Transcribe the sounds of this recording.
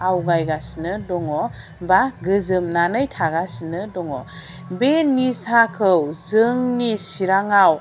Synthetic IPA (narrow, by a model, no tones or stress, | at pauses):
awɡajɡasnɯdɔŋɔ | baɡɯzɯmnanɯjtʰaɡasnɯdɔŋɔ̰ | benisakʰɯwzɯŋnisiɾaŋaw